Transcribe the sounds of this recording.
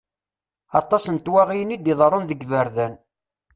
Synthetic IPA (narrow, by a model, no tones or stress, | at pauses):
ɑt̪ˤɑsənt̪wæʁijənid̪iðˤɾˤonðəɡvəɾðæn